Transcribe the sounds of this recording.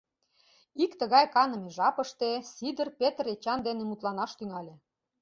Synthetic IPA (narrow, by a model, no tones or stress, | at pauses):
ikt̪ə̆ɣɑjkɑnɤ̆meʒɑpə̆ʃt̪esid̪ə̆rpet̪əret͡ɕɑnd̪enemut̪lɑnɑʃt̪yŋɑlʲĕ